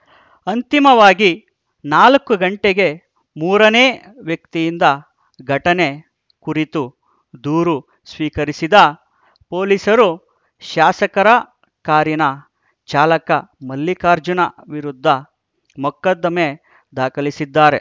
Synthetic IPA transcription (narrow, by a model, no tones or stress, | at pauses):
ɐnt̪imɐʋaːɡi | naːlɐkːuɡɐɳʈeɡe̞ | muːɾɐneː | ʋjɐk̚t̪ijind̪ɐ | ɡʱɐʈɐne̞ | kuɾit̪u | d̪uːɾu | sʋiːkɐɾisid̪ɐ | po̞ːlisɐɾu | ʃaːsɐkɐɾɐ | kaːɾjinɐ | t͡ʃaːlɐkɐmɐlːikaːɾd͡ʒunɐ̰ʋiɾud̪ʱːɐ | mɔkːɐd̪ːɐme̞ | d̪aːkʰɐlisid̪ːaːɾe̞